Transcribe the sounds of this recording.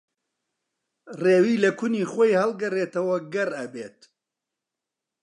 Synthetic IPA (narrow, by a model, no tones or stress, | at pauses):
reːwiːlɐkʊniχojhɐlˠɡɐreːt̪ɐwɐɡɐrɐbeːt̪